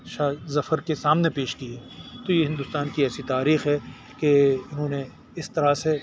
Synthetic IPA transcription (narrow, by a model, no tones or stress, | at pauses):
ʃaːzɐfəɾkesaːmnepeːʃkiɛːt̪ojeɦɪ̃nd̪ʊst̪aːnkiɛːsit̪aːɾiːxɦɛ | keʊnɦõːne | ɪst̪ɐɾase